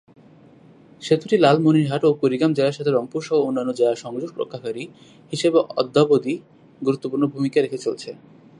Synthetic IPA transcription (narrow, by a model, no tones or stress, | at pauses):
ʃet̪uʈilalmoniɾɦaʈopoɾiɡamd͡ʑeaɾʃat̪ʰeɾɔmpuɾʃɔoonːanːod͡ʑeaʃɔŋd͡ʑoɡ̚pɾo̰kʰːakaɾi | hiʃebeʔɔ̰d̪ːabod̪i | ɡuɾut̪ːopuɾnobʱumikaɾekʰet͡ɕolt͡ɕʰe